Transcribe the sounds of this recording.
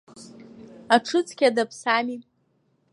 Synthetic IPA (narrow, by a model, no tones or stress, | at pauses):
aʈ͡ʂʰɨt͡sʰʼkʲʰadapʰsami